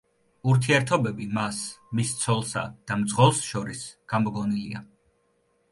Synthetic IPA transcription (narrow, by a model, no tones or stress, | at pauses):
uɾt̪ʰiɛɾt̪ʰɔbɛbimasmist̪sʰɔlˠsa̰d̪̥amd̪zʼʁɔlˠsʃɔɾisɡ̥amɔɡɔnilia